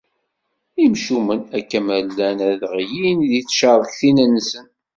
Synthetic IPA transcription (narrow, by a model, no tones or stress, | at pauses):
imʃumənækːæmælːænæðʁjinðiθʃəðˤçθinənːsən